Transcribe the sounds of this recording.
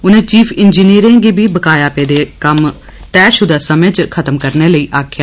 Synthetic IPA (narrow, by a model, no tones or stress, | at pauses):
ʊnẽːt͡ʃiːpʰɪnd͡ʒiːniːɾẽːɡibʱiːbəkaːjaːpeːd̪eːkəm | t̪ɛːʃʊd̪aːsəmẽːd͡ʒkʰət̪əmkəɾneːləiːʔaːkʰjaː